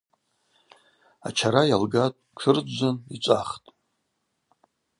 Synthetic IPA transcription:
a̰t͡ʃʰaɾajalɡatʼkʷʰɨrʷanit͡ʃʷʼaχtʼ

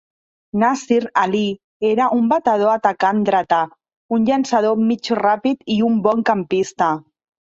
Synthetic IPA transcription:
nasiɾali | eɾaʔumbat̪aðoat̪akand̪ɾat̪a | unʎansaðomit͡ʃrapit̪iumboŋkampist̪a

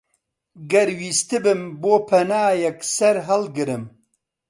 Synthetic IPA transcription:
ɡɐɾwiːst̪ɨbɨmboːpʰɐnaːjɐksɐɾɦɐlɡɨɾɨm

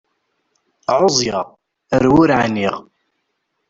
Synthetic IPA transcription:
ʕʊzˤjɑʁ | əɾwʊɾʕa̰niʁ

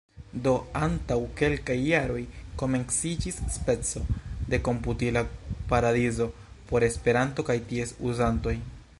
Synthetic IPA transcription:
do̞antawke̞lkajːaɾo̞jko̞me̞nsid͡ʒisːpe̞t͡so̞de̞ko̞mputilapaɾadizo̞ | po̞ɾe̞spe̞ɾanto̞kajtie̞suzanto̞j

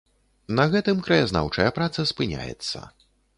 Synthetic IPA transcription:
nɐɣɛt̪ɨmkɾɐjazna̰wt͡ʂɐjɐpɾat̪sɐspɨnʲa̰jɛ̰t̪sːɐ̰

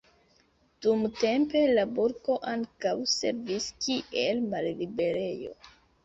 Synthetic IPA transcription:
d̥umte̞mpe̞labuɾko̞ʔaŋkawse̞̰ɾviskiʔe̞lmallibe̞ɾe̞jo̞̰

